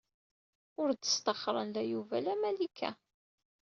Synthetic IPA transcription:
ʊɾd̪ə̥st̪ɑχɾˤə̰nlæjuvælæmælikʰːæ̰

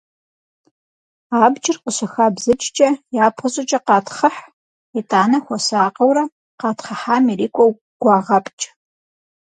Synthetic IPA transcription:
aːbt͡ʃʼɪrqʷʼʊɕɐxaːbzɨt͡ʃʼt͡ʃʼɐjaːpʰχəɕʼɐt͡ʃʼɐqɑːtʰχɐħ | itʼaːnɐxʷɔsaːqɐwɾɐ | qɑːtʰχɐħaːmiriːkʷʰʼow | ɡ̥ʷɑːʁɐpʰʼt͡ʃʼ

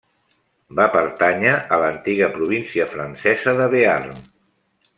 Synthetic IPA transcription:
bapəɾt̪aɲaʔələnt̪iɣəpɾuβ̞insiəfɾənsɛzəðəβearm

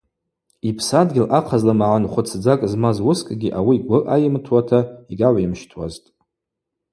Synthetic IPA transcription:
ipʰsadɡʲɪlʔaqʰazlamaʕanχʷʊt͡sʰd͡zakʼzmazwʊskʼɡʲiʔawiɡʷʊʔajɪmtʰwatʰaiɡaʕʷaimʃtʰwa̰ztʼ

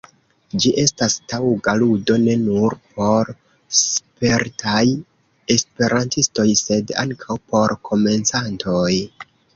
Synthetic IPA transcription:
d͡ʒiʔe̞stastawɡaludo̞ne̞nuɾpʰo̞ɾ | spe̞ɾtʰaj | e̞spe̞ɾʔantisto̞jse̞da̰ŋkʰawpo̞ɾkʰo̞me̞nt͡santʰo̞j

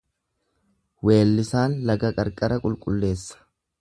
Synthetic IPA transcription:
we̞ːlːɪsaːnlɐɡɐkʼɐɾkʼɐɾɐkʼʊlkʼʊlːe̞ːsːɐ̥

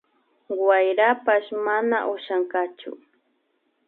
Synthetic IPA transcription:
wajɾapaʃmanaʔʊʃaɴkɑt͡ʃʊ̰

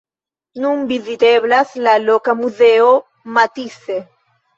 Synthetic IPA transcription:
numbiðit̪eβlaslalokamuðeo | mat̪iθe

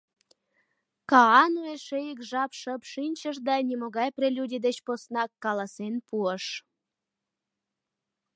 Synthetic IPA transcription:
kɑɑnueʃejəkʒɑpʃəpʃinʲt͡ɕəʃd̪ɑnʲimoɣɑjprelʲudʲid̪et͡ɕposnɑkːɑlɑsenpuəʃ

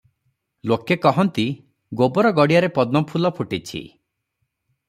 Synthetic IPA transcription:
lokekɔɦɔnt̪i | ɡobɔɾɔɡɔɽijaɾepɔd̪̚nɔpʰulɔpʰuʈit͡ʃʰḭ

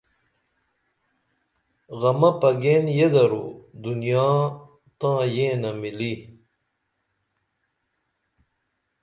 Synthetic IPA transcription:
ɣɐmɐpɐɡeːnjed̪ɐɾṵd̪unjaː | t̪ãːjẽːnɐmili

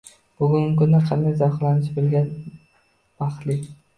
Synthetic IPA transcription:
b̥ʊɡʲʊŋɡʲɪkʊnd̪aqʰɑnd̪ajzaχlˠanɪʃbɪlɡʲan | b̥ɑχlɪ

